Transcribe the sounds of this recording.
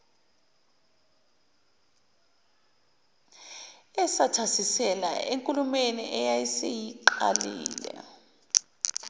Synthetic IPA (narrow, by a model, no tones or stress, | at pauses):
ɛsatʰasisɛla̰eŋkʼulumeniʔɛjajisejiǃa̰lḭːlɛ̰